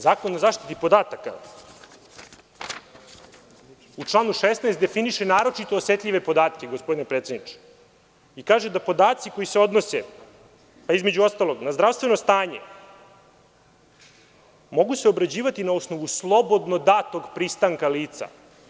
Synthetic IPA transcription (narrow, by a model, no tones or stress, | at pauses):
zaːkonozaːʃt̪i̥t̪ipo̞d̪aːt̪aka̰ | ut͡ʂlˠaːnuʃesnaest̪d̪efiniʃenaːɾo̞t͡ʃit̪o̞ːse̞t̪ʎiʋe̞po̞d̪aːt̪kʲeɡospo̞d̪inepɾe̞t̪sed̪nit͡ʃe̥ | ikaːʒed̪apo̞d̪aːt̪siko̞jise̞o̞d̪nose | paizme̞d͡ʑuo̞st̪alˠo̞ɡnazd̪ɾafst̪ʋe̞nost̪aːɲḛ | mo̞ɡuseobɾad͡ʑiːʋat̪inaosno̞ʋuslˠo̞bo̞d̪no̞d̪at̪o̞ɡpɾist̪aŋkaliːt̪sa̰